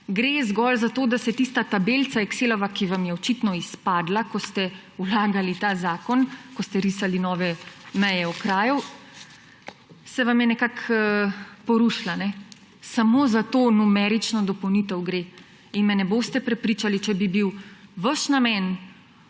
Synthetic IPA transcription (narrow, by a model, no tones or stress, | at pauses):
ɡɾezɡɔlzat̪oːd̪asɛt̪ist̪at̪abelt̪t͡s̪aɛkseːlɔʋakiʋamjɛɔt͡ʃit̪nɔispaːd̪lakɔst̪ɛ | ulaːɡalit̪aːzaːkɔnkɔst̪ɛɾisalinɔːʋɛmɛjɛɔkɾaːju | sɛʋamjɛnɛkakː | pɔɾuʃlanɛ | samozat̪oːnumɛɾit͡ʃnɔd̪ɔpɔwnit̪ɛwɡɾe | inmɛnɛboːst̪ɛpɾɛpɾiːt͡ʃalit͡ʃɛbibiwʋəʃnamɛn